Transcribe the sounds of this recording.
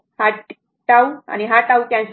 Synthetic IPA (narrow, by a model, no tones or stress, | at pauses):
ha | ʈawa̰niɦaʈawkjãns